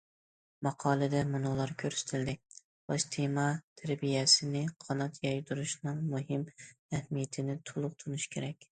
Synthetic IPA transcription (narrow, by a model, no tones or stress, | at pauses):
mɑqʰɑːlˠɨd̪ɛmʊnolˠɑɾkʲʰøɾsɪ̥t̪ʰɪld̪ɪ | bɑʃt̪ʰemɑt̪ʰæɾbijɛsɪnɪqʰɑnɑt̪jɑjd̪uɾuʃnɨŋmʊɦɪmæhmijɛt̪ʰɪnɪt̪ʰʊlˠʊq̚t̪ʰʊnɪʃkʲʰeɾɛkʲ